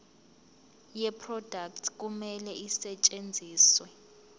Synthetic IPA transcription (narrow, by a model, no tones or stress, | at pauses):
jɛpʰrɔd̥ak̚tʰk̬umɛlɛisɛt͡ʃʼend͡zʱiːswɛ